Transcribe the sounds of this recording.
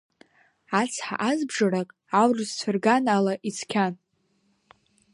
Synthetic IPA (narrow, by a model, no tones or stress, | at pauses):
at͡sʰħa̰ʔazbʐaɾakʼ | awrɨzt͡ɕʷʰɪrɡanalaʔit͡sʰkʲʰan